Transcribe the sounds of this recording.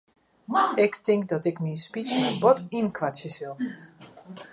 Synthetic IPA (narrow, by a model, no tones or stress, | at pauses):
ɪktɪŋk̚dɔtɪkninspit͡sənənbɔtinkʋasjəsʋɪlˠ